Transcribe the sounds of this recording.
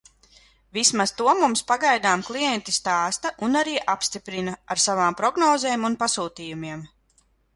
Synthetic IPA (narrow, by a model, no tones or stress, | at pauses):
vismaz̥t̪uɔmumspaɡajd̪aːmklˠijɛnt̪ist̪aːst̪ɐʔunaɾiːʔapst̪ipɾinaaɾsavaːmpɾɔɡnɔːzɛːmunpasuːt̪iːjumiɛm